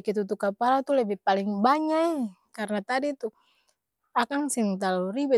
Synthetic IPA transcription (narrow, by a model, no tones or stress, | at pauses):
kɛt̪̬ut̪ukapalat̪ulɛbipaliŋbaɲaʔɛ | karnat̪adit̪u | akaŋsiŋt̪aluribu